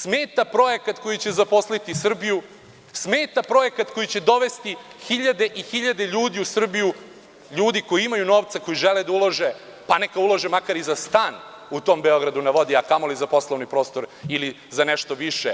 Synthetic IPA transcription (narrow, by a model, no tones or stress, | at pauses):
smeːt̪apɾo̞ekat̪ko̞jit͡ɕezapo̞slit̪isr̩biju | smeːt̪apɾo̞e̞kat̪ko̞jit͡ɕe̞d̪o̞ʋe̞st̪ixiʎad̪e̞ʔixiʎad̪e̞ʎuːd̪iusr̩biju | ʎuːd̪iko̞jiimajunoːʋt̪sako̞jiʒeled̪auloʒe | panekaulˠoʒemakaɾizast̪aːn | ut̪o̞ːmbeo̞ɡɾad̪unaʋo̞d̪iakamolizapo̞slˠoʋnipɾo̞ːst̪o̞ɾili | zaneʃt̪oʋiʃe